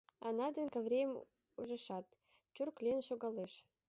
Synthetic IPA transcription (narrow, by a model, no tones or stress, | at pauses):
ɑ̰nɑd̪ə̆nkə̆vrʲejm | uʒə̆ʃɑt̪ | t͡ɕurklʲenʃoɣɑleʃ